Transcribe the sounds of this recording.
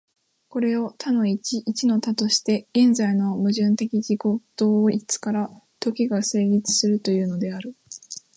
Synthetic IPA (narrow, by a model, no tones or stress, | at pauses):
ko̞ɾe̞o̞t̪ʰano̞it͡ɕiʔːt͡ɕino̞t̪at̪o̞ɕi̥t̪e̞̥ẽnd͡zaino̞mɯ̟ʑɨ̃nt̪e̞kʲiɡiɡo̞t̪o̞ːit͡sɨ̥kaɾa | t̪o̞kʲiɡase̞ːɡʲit͡sɨ̥sɨɾɯ̟t̪o̞jɯ̟ːno̞d̪e̞aɾɯ̟